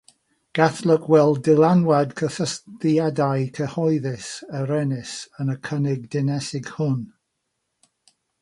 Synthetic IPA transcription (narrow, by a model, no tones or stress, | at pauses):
ɡ̥aθlˠɪkʰwɛlˠddɪlˠanwadkʰəθəstadajkʰəhɔɨðɪsəɾɛnɪsənəkʰənɪɡ̚dɪnɛsɪɡ̥hʊn